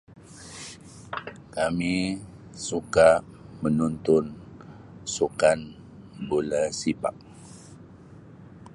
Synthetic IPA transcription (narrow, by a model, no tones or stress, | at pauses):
kami | suka | mənunt̪ʊn | sukan | bulasiba̰k̚